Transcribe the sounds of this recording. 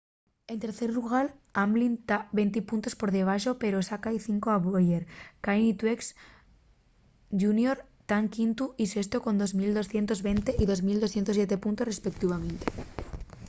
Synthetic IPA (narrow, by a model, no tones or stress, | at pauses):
e̞nt̪e̞ɾθe̞ɾluɣ̞aɾamblint̪aβe̞nt̪̬ipunt̪o̞spo̞ɾðe̞β̞aʃo̞pe̞ɾo̞sakaiθiŋkoaβojeɾkajnit̪weks | ʝunjo̞ɾ | t̪aŋkint̪uise̞st̪oko̞nd̪o̞zmild̪o̞sθje̞nt̪o̞zβe̞nt̪e̞ʔiðo̞zmild̪oθjent̪ojet̪e̞punt̪o̞sre̞spe̞k̚t̪iβ̞amẽ̞nt̪e̥